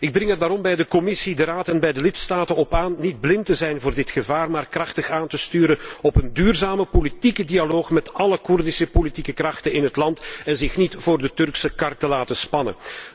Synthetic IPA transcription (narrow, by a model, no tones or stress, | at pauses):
ɪɡ̚drɪŋɦədaːɾɔmbɛjdəkɔmɪsidəɾaːtɛnbɛjdəlɪtstaːtənɔpaːnːid̚blɪntəzɛjnvʊːrdɪtxəvaːrmaːrkrɑxtəxaːntəstyːɾəɔpəndyːrzaːməpolitikədialoːxmɛtɑləkʊrdɪsəpolitikəkrɑxtənɪnɦətlɑntɛnzɪxnitv̥oːrdətɵrksəkɑrtəlaːtəspɑnə̰n